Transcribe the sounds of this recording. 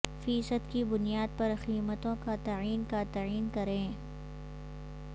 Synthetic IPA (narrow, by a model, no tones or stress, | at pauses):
fiːsəd̪kibʊnijaːd̪̚pɐɾxiːmət̪õkat̪ɐiːnkat̪ɐiːnkɐɾẽː